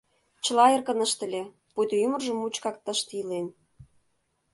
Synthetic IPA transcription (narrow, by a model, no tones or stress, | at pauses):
t͡ɕə̆lɑerkə̆nəʃt̪ə̆lʲe | put̪ymə̆rʒə̆mut͡ɕkɑk̚t̪ə̆ʃt̪ilen